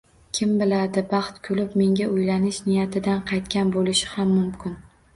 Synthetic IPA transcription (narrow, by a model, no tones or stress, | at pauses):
kʲʰɪmbɪlad̪ɪbɑχt̪kʰolɪpme̞ŋɡʲaʔʊjlanɪʃnɪjat̪ʰɪd̪anqʰɑjt̪kʲanbolɪʃɪ̥hamːʊmkʲɪn